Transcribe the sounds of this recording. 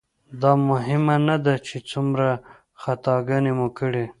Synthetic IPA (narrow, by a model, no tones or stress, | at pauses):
d̪ɑmʊɦɪmanad̪at͡ʃet͡sumɾa | xat̪ɑɡanemukəɽe